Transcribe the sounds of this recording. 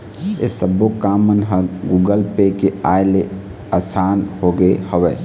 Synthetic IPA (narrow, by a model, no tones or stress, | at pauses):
ḛsəbokaːmənɦə̃ɡuːɡəlpekeaːele | əsaːnhoːɡehəʋɛː